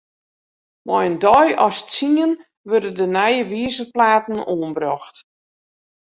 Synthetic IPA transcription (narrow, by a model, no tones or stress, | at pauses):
mɔjəndɔjɔ̰st͡siən | ʋørdədənɛjəʋiəzəplaːtn̩oːənbrɔxt